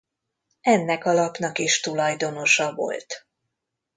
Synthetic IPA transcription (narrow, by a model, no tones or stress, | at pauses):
ɛnːɛkɒlɒpnɒkiʃt̪ulɒjd̪o̞no̞ʃɒvo̞̰lt̪